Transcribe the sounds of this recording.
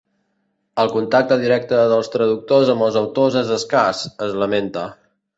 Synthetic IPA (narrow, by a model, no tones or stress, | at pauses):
əlˠkunt̪ak̚t̪əðiɾɛk̚t̪əðəlˠst̪ɾəðuk̚t̪ozəmbəlˠzəwt̪ozəzəskasəzləment̪ə